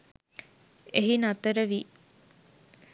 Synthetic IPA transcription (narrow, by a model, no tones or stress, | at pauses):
eɦinat̪əɾəʋiː